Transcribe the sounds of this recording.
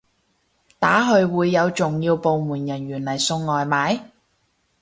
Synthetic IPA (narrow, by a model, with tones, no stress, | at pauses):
t̪aː˨˥ɦɵ˧ɥwuː˨˧jːɐ˨˧wt͡sʊ˨ŋjiː˧wpo˨˧wmuː˨˩njɐ˨˩nɥyː˨˩nlɐ˨˩jsʊ˧ŋːɔː˨jmaː˨˥j